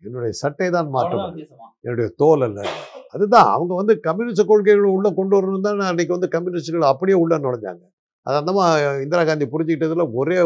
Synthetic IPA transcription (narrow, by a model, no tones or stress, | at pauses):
ɛnːʊɽɐjɐsɐʈːɐɪt̪ãːnmaːʈːɯmɛnːʊɽɐjɐt̪oːlɐlːɐ̰ɐðɯt̪ãːɐ̰ʋɐŋɡɐʋɐnd̪ɯkɐmːjuːnɪsʈɐkoːɻk̬ɐɪɣɐɭʊɭːɐkɔɳɖɯʋɐɾɯnɯnt̪ãːnãːniːkːɯʋɐnd̪ɯkɐmːjʊːnɪsʈɣɐɭɐpːɐɽɪjeːʊɭːɐnɔɽɐɲd͡ʒa̰ːŋɡɐ | ʔɐ̰ðɐɐnd̪ɐːmaːɪnd̪ɪɾaːɣaːnd̪ipʊɾɪɲd͡ʒɪkːɪʈːɐðɯlɐɔɾeː